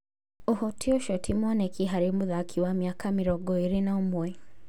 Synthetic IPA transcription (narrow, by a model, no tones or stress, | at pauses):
uhɔtʰiɔʃɔtʰimanɛkiɦaɾimuðakʰiwamiakamiɾɔɡɔiɾinaumɔɛ